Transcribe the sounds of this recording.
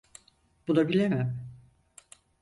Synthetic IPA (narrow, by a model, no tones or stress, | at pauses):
b̥unabilʲemɪm